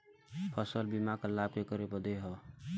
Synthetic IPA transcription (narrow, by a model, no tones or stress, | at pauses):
pʰəsəlbimakəlab̚kekəɾebəd̪eɦɔ